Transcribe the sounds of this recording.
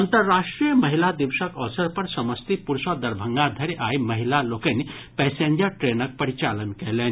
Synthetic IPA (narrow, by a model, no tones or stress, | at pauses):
ʌnt̪əɾːaʂʈɾijəməɦilad̪iʋsəkɔsəɾpɐɾsɐməst̪ipuɾsəd̪ɐɾbʱəŋɡad̪ʱəɾiʔajməɦilalokəni | pɛsend͡ʒəɾʈɾenʌk̚pəɾit͡ʃalənkeleni